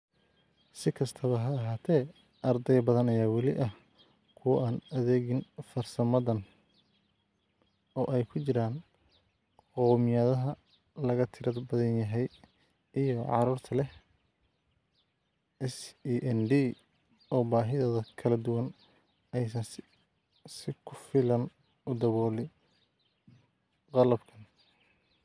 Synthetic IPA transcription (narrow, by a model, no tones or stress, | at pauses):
sɪkʰɐst̪ʰɐβɐɦɐːɦaːt̪ʰɛː | ʔɐrd̪ɛjbɐðɐnɐjaːwɑlɪ̰ʔɐh | kʰʊwɐʔaːnɐðeːɣɪnfɐrsɐmɐðɐn | ɔːʔɛjkʰʊt͡ʃɪɾaːn | qɔmɪjaðɐɦɐ | lɐɣɐt̪ʰɪɾɐdbɐðɐnjɐɦɛj | ʔijɔʕɑ̰ɾuːrt̪ʰɐlɛh | ɛsiʔɛnd̪iː | ɔːbaːɦɪðɐðɐkʰɐlɐd̪ʊwɐn | ɛjsɐns | sɪkʰʊfɪlɐn | ʊd̪ɐβɔːlɪ | qɑlɐbkʰɐn